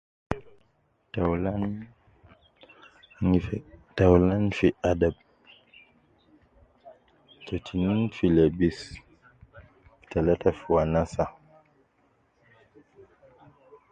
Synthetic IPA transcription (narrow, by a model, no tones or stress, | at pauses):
taln | taulanfiʔadab̚ | t͡ʃɔtʰininfilɛbis | ki̥talatafiwanasa